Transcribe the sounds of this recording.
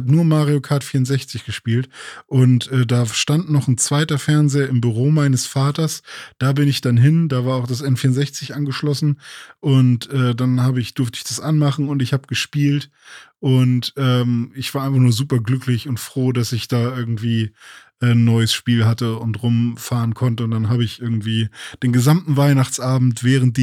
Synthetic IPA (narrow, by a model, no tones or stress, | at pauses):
bnuːɐmaːʁiokʰaɐtfiːɐʊnzɛçt͡sɪçɡ̥əʃpiːltʔʊntʔɛːdaːʃtantnɔχnt͡sv̥aɪtɐfɛɐnzeːɐɪmbyʁoːmaɪnəsfaːtɐsd̥aːbɪnɪçd̥anɦɪndaːvaːɐaʊxd̥asʔɛnfiːɐʊnzɛçt͡sɪçʔanɡəʃlɔsn̩ʔʊntʔɛːdanhaːbəɪçd̥ʊɐftəɪçd̥asʔanmaχn̩ʊntɪçhaːbəɡ̥əʃpiːlt | ʔʊntʔɛːmɪçv̥aːɐʔaɪnfaχnuːɐzuːpɐɡlʏklɪçʊntfʁ̥oːdasɪçd̥aːʔɪɐɡŋ̩tv̥iːʔɛːnːɔʏəsʃpiːlɦatəʊntʁʊmfaːʁənkʰɔntəʊntd̥anɦaːbəɪçʔɪɐɡŋ̩tv̥iːd̥eːnɡəzamtn̩vaɪnaχt͡sʔaːbm̩tv̥ɛːʁ̞ənt̚d̥